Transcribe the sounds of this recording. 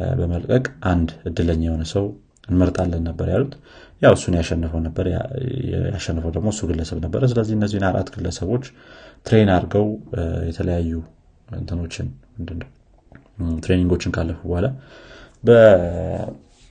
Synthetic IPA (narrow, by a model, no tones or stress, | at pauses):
bəməlkʼəkʼʔand̪ɨd̪ːɨləɲːɛhonəsəw | ɨnməɾt̪ʼalːənːəbːəɾjalut̪ | jawɨsːunjaʃɛnːɨfəwnəbːəɾ̰ | ja̰ʃɛnːəfəwd̪əɡmo̞ɨsːuɡɨlːəsəβnəbːəɾəs̬ɨləzːihɨnːəzːihnaɾʔa̰t̪ɡɨlləsəβo̞t͡ʃːt̪ʰɾe̞naɾɡəwjɛt̪ʰələjajːu | ɨ̰nt̪ʰɨno̞t͡ʃːɪnmɨnd̪ɨnːəw | t̪ɾe̞niŋɡo̞t͡ʃːɪnkʰalːəfubohala | bə